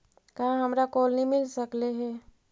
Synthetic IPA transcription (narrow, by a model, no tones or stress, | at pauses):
kaɦãɦəmɾakoːlnĩmɪlsəkleɦɛː